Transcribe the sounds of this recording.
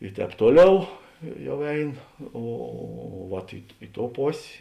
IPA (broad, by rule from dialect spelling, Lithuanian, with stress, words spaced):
ɪ ˈtʲɛːp ˈtuɔˌlʲɛʊ ɪ ˈjɛʊ ˈɛɪn ˈoː oː ʋɐt ɪ ˈɪ ˌtoːʊ ˈpoːsʲ